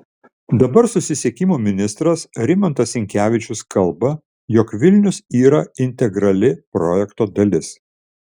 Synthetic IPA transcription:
d̪ɐbɐɾsʊsʲɪsʲeɛkʲɪmoːmʲɪnʲɪst̪ɾɐsɾʲɪmɔnt̪ɐsʲɪŋʲkʲæːʋʲɪt͡ʃʲʊskʰɐlˠbɐ | jɔkʋʲɪlʲnʲʊsiːɾɐɪnʲt̪ʲɛɡɾɐlʲɪpɾɔːjɛkt̪oːd̪ɐlʲɪs

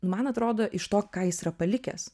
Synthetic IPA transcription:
nʊmɐnɐt̪ɾoːd̪oːʔɪʃt̪oːkkɑːjɪsiːɾɐpɐlʲɪkʲɛ̰s

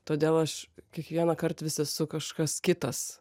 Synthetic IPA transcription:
t̪oːd̪ʲeːlˠɐʃkʲiɛkʋʲiɛnɐkɐrt̪ʋʲɪsʲɛsʊkɐʃkɐskʲɪt̪ɐs

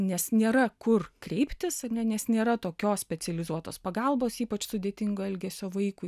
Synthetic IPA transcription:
nʲɛsnʲeːɾɐkʊrkɾʲɛɪpʲt̪ʲɪsɐrʲnʲɛnʲɛsnʲeːɾɐt̪oːkʲoːssʲpʲɛsʲɛlʲɪzuɔt̪oːspɐɡɑlˠboːsiːpɐt͡ʃsʊd̪ʲeːt̪ʲɪŋɡoːɛlʲɡʲɛsʲoːʋɐɪkʊ

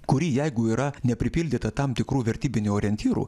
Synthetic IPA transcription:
kʊɾʲiːjɛɪɡʊiːɾɐnʲɛpʲɾʲɪpʲiːlʲd̪ʲɪːt̪ɐt̪ɐmt̪ʲɪkɾuːʋʲɛɾʲt̪ʲiːbʲɪnʲuoːɾʲɛnʲt̪ʲiːɾṵː

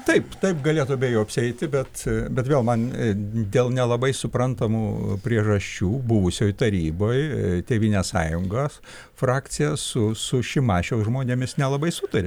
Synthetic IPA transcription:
t̪ɐɪpt̪ɐɪpɡɐlʲeːt̪ʊɐbʲeːjoːɐpʲsʲɪɛɪt̪ʲɪbʲɛt̪bʲɛt̪ʋʲeːlˠmɐnd̪ʲeːlˠnʲɛlˠɐbɐɪsʊprɐnt̪ɐmuːpʲɾʲiɛʒɐʃʲt͡ʃʲuːbʊʋʊsʲoːjt̪ɐɾʲiːboːjt̪ʲeːʋʲiːnʲeːssɑ̰ːjʊŋɡoːs | frɑːk̪t͡s̪ʲɪjɛsʊsʊʃʲɪmɑːʃʲɛʊsʒmoːnʲeːmʲɪsnʲɛlˠɐbɐɪsʊt̪ɐɾʲɪ

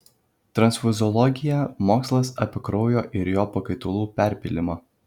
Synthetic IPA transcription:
t̪ɾɐnsfʲʊzʲɔlˠɔɡʲɪjɛmoːkslˠɐsɐpʲɪkɾɔʊjoːʔɪɾjoːpɐkɐɪt̪olˠuːpʲæˑɾʲpʲɪlʲɪmɑ

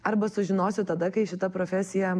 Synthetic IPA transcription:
ɐɾbɐsʊʒʲɪnoːsʲɪt̪ɐd̪ɐkɐɪʃʲɪt̪ɐpɾoːfʲæsʲɪjɛ

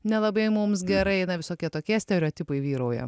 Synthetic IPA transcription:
nʲɛlˠɐbɐɪmʊmsɡʲɛɾɐɪnɐʋʲɪsoːkʲiɛt̪oːkʲiɛsʲt̪ʲɛɾʲoːt̪ʲɪpɐɪʋʲiːɾoːjɛ̰

